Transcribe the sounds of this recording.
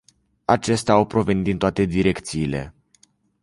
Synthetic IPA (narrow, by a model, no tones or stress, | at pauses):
at͡ʃe̞st̪eaawpɾo̞ve̞nit̪d̪int̪oat̪e̞d̪iɾe̞kt̪siːle̞̰